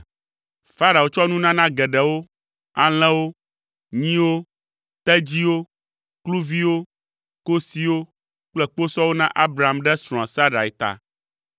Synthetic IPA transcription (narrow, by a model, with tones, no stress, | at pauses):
fa˦ɾa˨wo˦t͡ʃɔ˦nũ˦nã˦nã˦ɡɛ˨ɖɛ˨wo˦ | a̰˨l̃ɛ̃˦wo˦ | ɲĩ˦wo˦ | t̪ɛ˦d͡ʑi˦wo˦ | klu˦vi˦wo˦ | ko˦si˦wo˦ | k͡plɛ˦k͡po˦sɔ˦wo˦nã˦ʔa˦bɾa˨a˨mɖɛ˦sɾɔ̃˨ã˨sa˦ɖa˨ɛ˨t̪a̰˨